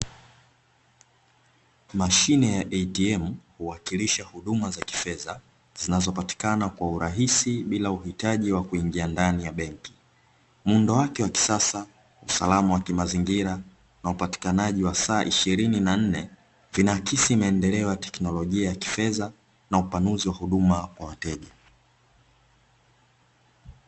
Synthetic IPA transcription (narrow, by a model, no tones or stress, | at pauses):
maʃinɛjaʔɛtiɛm̩huwakiliʃahuɗumazaki̥fɛza | z̥inazɔpati̥kanakwauɾaɦisiɓilauhitaʄiwakuiŋɡiandanijaɓɛŋki̥ | mundɔwakɛwaki̥sasa | usa̰lamawakimaziŋɡiɾa | naupati̥kanaʄiwasaːʔiʃiɾininan̩nɛ | vinakisimaɛndɛlɛɔjatɛ̥knɔlɔʄiajaki̥fɛza | naupanuziwahuɗumakwawatɛʄa